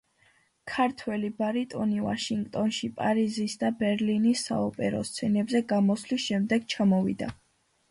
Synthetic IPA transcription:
kʰaɾt̪ʰwɛlibaɾit̪ʼɔniva̰ʃiŋɡt̪ʼɔnʃipʼaɾizisd̪abɛɾlinisːa̰ɔpʼɛɾɔ̰st̪sʰɛnɛbzɛɡamɔslisʃɛmd̪ɛɡt͡ʃʰamɔvḭd̪a̰

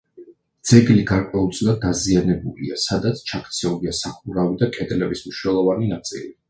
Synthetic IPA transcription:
d̪z̥ɛɡliɡaɾkʼwɛulˠt̪sʼilˠad̪ːazianɛbulḭasad̪at̪sʰt͡ʃʰakʰt̪sʰɛuliasaχuɾavid̪akʼɛd̪lɛbismniʃwnɛlˠɔvaninat̪sʼḭli

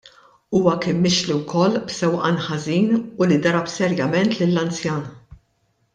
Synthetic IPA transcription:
uːwɐkɪmːɪʃliwkʰɔlːbsɛwʔɐnħɐziːnʊlid̪ɐɾɐpsɛɾjɐmɛnt̪lɪlːɐnt͡sjɐːn

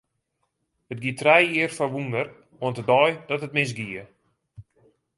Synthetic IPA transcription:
ət̚ɡiətrɛjiərfɔʋundər | ɔəntədɔjdɔtətmɪs̬ɡiə

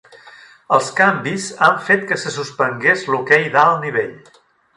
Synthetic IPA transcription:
əlˠskambizaɱfet̪kəsəsuspəŋɡezlukɛjðaəlˠniβ̞eʎ

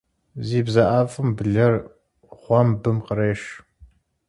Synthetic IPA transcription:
ziːbzɐʔaːfʼɨmbɨɮɐr | χʷɑmbɨmqəɾeːʂ

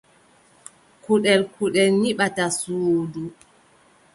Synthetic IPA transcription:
kuɗɛlkuɗɛlniɓatasuːdu

